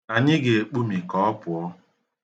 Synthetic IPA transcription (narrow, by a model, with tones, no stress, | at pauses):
a˨ɲɪ˦ɡe˨e˨k͡pu˦mi˨kɔ˨ɔ˦pʊ˨ɔ˦